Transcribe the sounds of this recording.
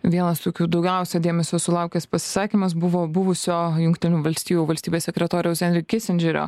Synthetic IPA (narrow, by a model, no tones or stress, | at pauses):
ʋʲiɛnɐst̪oːkʲuːd̪ɒʊɡʲɛˑʊsʲɛd̪ʲeːmʲɛsʲoːsʊlˠɑˑʊkʲɛspɐsʲɪ̥sɑːkʲimɐs̬bʊʋoːbʊʋʊsʲoːjʊŋkt̪ʲɪnʲuːʋɐlʲsʲt̪ʲiːjuʋɐlʲsʲt̪ʲiːbʲeːssʲɛkɾʲɛt̪oːɾʲɛʊsʲɛnʲɾʲɪkkʲɪsʲɛnʲd͡ʒʲɛɾʲo̰